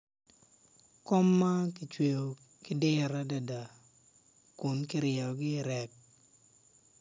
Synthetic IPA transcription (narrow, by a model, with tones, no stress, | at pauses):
kɔ˦mːa˦kɪ˨t͡ʃwe˨o˨ | kɪ˦dɪ˦˨ɾa˦da˨da˨ | ku˨nkɪ˦ɾjɛ˨ɡɪ˦˨ɾɛ˨k̚